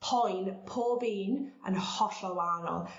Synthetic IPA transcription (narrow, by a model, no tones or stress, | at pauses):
pʰɔjnpʰoːbiːnə̰nhɔɬɔwanɔ̰lˠ